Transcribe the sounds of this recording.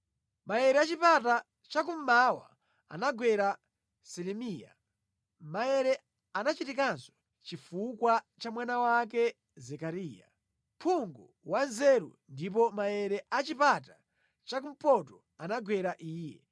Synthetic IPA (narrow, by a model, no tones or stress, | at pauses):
majɛɾɛat͡ʃipata | t͡ʃak̬um̩mawa̰ | a̰naɡwɛɾa | sɛlɛmiːja̰ | majɛɾɛ | anat͡ʃitik̬anzɔ̥ | t͡ʃifukwat͡ʃamwanawak̬ɛ | zɛkaɾiːja̰ | mpʰuŋɡɔ | wanzɛɾṵndip̬ɔmajɛɾɛʔat͡ʃipata | t͡ʃak̬um̩pɔtɔ | anaɡwɛɾaʔiːjɛ